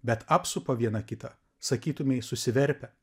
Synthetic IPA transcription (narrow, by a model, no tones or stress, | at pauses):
bʲɛt̪ɑːpsʊpoːʋʲiɛnɐkʲɪt̪ɐ | sɐkʲiːt̪ʊmʲɛɪsʊsʲɪʋʲɛɾʲpʲɛ